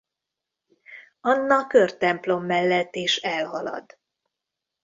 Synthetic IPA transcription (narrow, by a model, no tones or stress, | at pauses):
ɒnːɒkørt̪ɛmplo̞mːɛlːɛt̪ːeːʃɛlɦɒlɒ̰d̪